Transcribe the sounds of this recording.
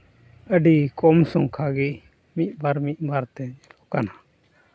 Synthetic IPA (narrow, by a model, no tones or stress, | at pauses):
əɖikɔmsɔŋkʰaɡi | mit̪̚ˀbaɾmit̪̚ˀbaɾt̪ɛd͡ʒɛlɔkana